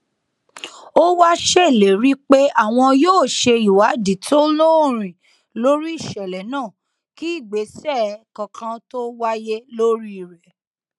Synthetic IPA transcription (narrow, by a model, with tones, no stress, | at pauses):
o˦wa˦ʃe˦˨le˨ɾi˦k͡pe˦a˦˨w̃ɔ̃˧joː˦˨ʃe˧i˨wa˨˦di˨tʰo˦lo˦˨ɾ̃ĩ˨ | lo˦ɾi˦i˦˨ʃɛ˨lɛ˨nãː˦˨ | ki˦i˦˨ɡ͡be˨˦sɛ˦˨kã˧kã˧to˦wa˦je˦lo˦ɾi˦i˦˨ɾɛ˨